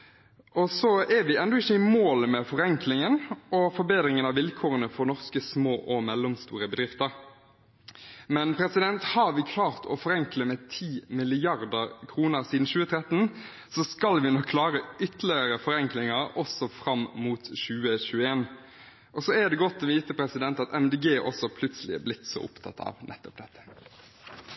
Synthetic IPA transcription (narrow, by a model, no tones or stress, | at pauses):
ʔɔsɔɛɾʋɪɛnd̪ɔɪçːəɪmoːləmɛfɔʁɛŋklɪŋənʔɔfɔɾbeːd̪ʁɪŋənɑʋɪlkʰoːʁənəfɔɾnɔʁskəsmoːʔɔmɛlːʊmst̪ṵːɾəbəd̪ʁɪft̪əɾ | mɛnpʰɾɛsɪd̪ɛnt̪hɑʁʋɪkʰlɑːʁt̪ʰɔ̰fɔʁɛŋkləmɛt̪ʰiːmɪlɪjɑʁd̪əkʰʁuːnəʁsiːd̪n̩ɕʉːət̪ʰʁɛt̪n̩ | sɔskɑlʋɪnɔkʰːlɑːʁəʏt̪lɪəɾəfɔɾɛŋklɪŋəɾɔsɔfʁɑmmuːt̪ɕʉːəɕʉːəeːn | ʔɔsɔɛd̪ɛɡɔt̪ːɔʋiːt̪əpʰɾɛsɪd̪ɛnt̪ɑt̪ɛmd̪eːɡeːʔɔ̰sːɔpʰlʉt̪səlɪɛblɪt̪ːsɔ̰ʔʊpt̪ʰɑ̰t̪ɑ̰ʋnʔɛ̰t̪ːɔp̚d̪ɛt̪ʰːə̥